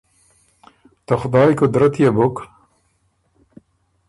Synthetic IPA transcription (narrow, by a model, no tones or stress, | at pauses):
t̪ɐxʊd̪ɑːjikod̪ɐɾɐt̪ijebok